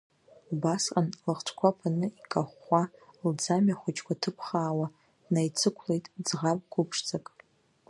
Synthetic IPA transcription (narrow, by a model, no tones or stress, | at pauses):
lbasqʼanlɨχʈ͡ʂʷʰkʷʰapʰanɨikʼaχʷald͡zamaχʷʊt͡ʃʼkʷʰatʰɨpʰχaːwa | najt͡sʰɨkʷʰlejtʼd͡zʁapʼɡʷʰʊpʰʂt͡sʰʼakʼ